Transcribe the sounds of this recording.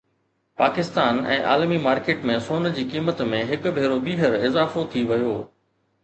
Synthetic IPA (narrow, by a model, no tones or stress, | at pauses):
paːkɪst̪aːnɛ̰̃ːʔa̰ːlmimaːɾkeːʈmẽsoːnd͡ʑiːkiːmət̪mẽɦɪkʊ̆bʱeːɾobiːɦəɾɪzaːfot̪ʰiʋɐjoː